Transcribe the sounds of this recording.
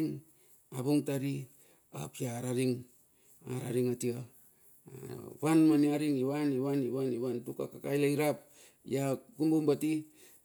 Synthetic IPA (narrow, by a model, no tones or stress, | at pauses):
ŋ | aβuŋtaɾi | a̰piaɾaɾiŋ | a̰ɾaɾiŋatia | βanmaniaɾiŋiβaniβaniβaniβantuka̰kakajlaiɾap | jakumbumbati